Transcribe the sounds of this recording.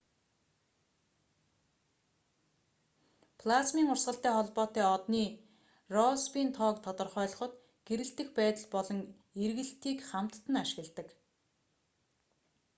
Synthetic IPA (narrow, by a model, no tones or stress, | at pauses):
pʰlasmiːŋʊrsɢə̆ɬt̪æːχɔɮpɔːt̪æːɔt̪niː | rɔspiːnt̪ʰɔːkt̪ʰɔt̪ɞ̆rχœːɮɞ̆χɞ̆t̪ | ɡ̥eɾɘ̆ɬt̪ɘ̆xpæːt̪ə̆ɮpɔɮɞ̆ŋ | erɣɘ̆ɬt̪iːkχam̥t̪ːə̆naʃɪ̆ɣə̆ɮt̪ə̆k